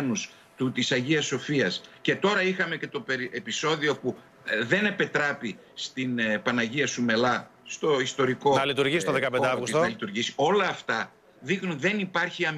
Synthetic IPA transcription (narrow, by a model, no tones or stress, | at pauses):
nus | t̪ut̪isɐʝiɐso̞fiɐsce̞t̪o̞ɾɐixɐme̞ce̞t̪o̞peɾiepiso̞ðio̞pu | ðe̞ne̞pet̪ɾɐpi | st̪inpɐnɐʝiɐsume̞lɐst̪o̞ist̪o̞ɾikoɐlit̪uɾʝisit̪oðekɐpend̪eaɣusɐlit̪uɾʝisi̥o̞lɐːft̪ɐ | ðixnunðe̞nipɐɾçiɐm